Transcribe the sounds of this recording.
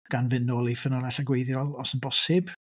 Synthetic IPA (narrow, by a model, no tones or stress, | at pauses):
ɡ̥anvɪnoːlˠifənɔlˠɛɬaɡwejðjɔlˠɔsənbɔsɪb̥